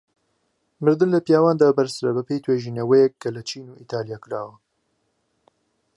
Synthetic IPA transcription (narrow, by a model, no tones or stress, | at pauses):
mɨɾd̪ɨnlɐpjaːwaːnd̪aːbɐɾsɨɾɐbɐpejt̪ʰweːʒiːnewejɛk̚ːɐlɐt͡ʃiːnuːʔiːt̪ʰaːlijaːkɨɾaːwɐ